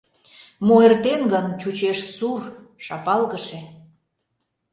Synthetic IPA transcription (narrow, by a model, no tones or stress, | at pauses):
moert̪enɡənt͡ɕut͡ɕeʃsur | ʃɑpɑlɣəʃe